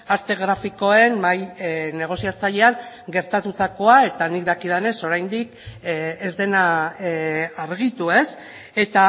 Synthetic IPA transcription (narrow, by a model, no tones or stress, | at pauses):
ast̪e̞ɣ̞ɾafiko̞e̞nmajne̞ɣ̞o̞siat͡saʎe̞aŋ | ɡe̞ɾt̪at̪ut̪ako̞ae̞t̪anikd̪akið̞ane̞so̞ɾajnd̪ik | ezd̪e̞na | aɾɣit̪ue̞s | e̞t̪a